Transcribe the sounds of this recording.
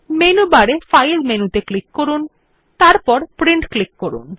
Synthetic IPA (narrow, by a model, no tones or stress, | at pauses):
menubaɾefajlmenut̪eklikːoɾun | t̪aɾpɔɾpɾiɳʈklikːoɾṵn